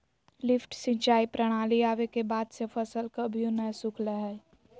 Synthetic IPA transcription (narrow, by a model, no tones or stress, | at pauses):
lɪfʈsɪ̃ɲt͡ʃaːipɾəɽ̃aːliaːʋekebaːd̪sefʰəsəlkəbʱijõnəsʊkʰləɦɛː